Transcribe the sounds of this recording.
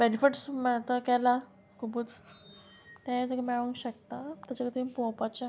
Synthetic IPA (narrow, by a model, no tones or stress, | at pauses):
benifiʈsmɛt̪əkɛla | kʰubut͡s | t̪ãt̪əkmɛɭəŋkɕək̚t̪at̪at͡ɕakət̪ipopat͡ɕa